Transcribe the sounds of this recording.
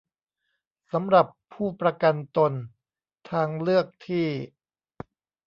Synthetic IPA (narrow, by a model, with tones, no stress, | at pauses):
sa˩˦mɾa˨˩pʰːuː˥˩pɾa˧ka˧nt̪o˧n | t̪ʰaː˧ŋlɯ˥˩ək̚t̪ʰiː˥˩